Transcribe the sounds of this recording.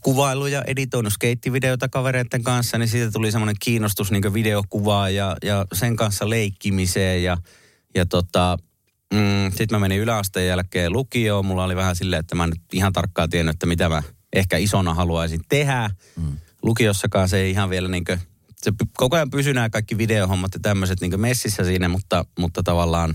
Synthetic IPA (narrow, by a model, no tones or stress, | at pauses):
kuʋɑilːujɑʔḛdit̪oinuskeit̪ːiʋideot̪ɑkɑʋeɾeit̪ːeŋkɑnsːɑnisiːt̪æt̪ulisemːoneŋkiːnːˑost̪usniːŋkøʋideokuʋɑjɑjɑseŋkɑnsːɑleikːimiseːjjɑ | jɑt̪ot̪ɑ | m̩sit̪mæmeniylæɑst̪ejjælkːˑeːlukioːmulːɑoliʋæhæsilːeet̪ːæmæˑnyt̪ihɑnt̪ɑrkːɑːt̪ienːˑyet̪ːæmit̪æmæ | ʔehkæisonɑhɑluɑisint̪ehæ | lukiosːɑkɑːnseeiihɑʋʋielæniːŋkø | sepykokojɑmpysynæːkɑikːiʋideohomːɑt̪jɑt̪æmːøset̪niːŋkømesːisːæsiːnæmut̪ːɑmut̪ːɑt̪ɑʋɑlːɑːn